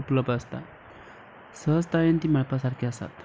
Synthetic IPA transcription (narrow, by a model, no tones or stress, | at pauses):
upləbd̪əst̪a̰ | səɦəst̪ajənt̪iːməɭpasaɾkʰiːəsa̰t̪